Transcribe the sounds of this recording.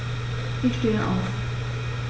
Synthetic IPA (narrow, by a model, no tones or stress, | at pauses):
ʔɪçʃteːəʔa̰ʊf